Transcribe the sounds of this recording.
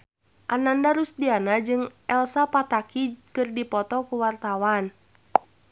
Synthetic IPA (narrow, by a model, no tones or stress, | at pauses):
ʔanandaɾusdianad͡ʒɨŋʔɛlsapat̪akikɨrdipɔt̪ɔkuwart̪awan